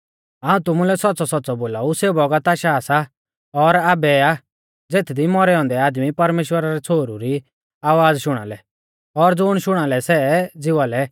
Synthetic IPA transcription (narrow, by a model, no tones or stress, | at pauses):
ɦaːũt̪ʊmulɛsɔt̪̚ːsɔsɔt̪̚ːsɔboːlauseːbɔɡat̪aːʃasa | ɔɾabɛa | d͡zeːt̪ʰd̪imɔɾɛɔ̃ːnd̪ɛaːd̪mipɐɾmeːʃwəɾaɾɛt͡sʰoːɾuɾi | aːʋaːd͡zʃʊɽ̃a̰lɛ | ɔɾd͡zʊɽ̃ʃʊɽ̃alɛsɛd͡zɪʋalɛ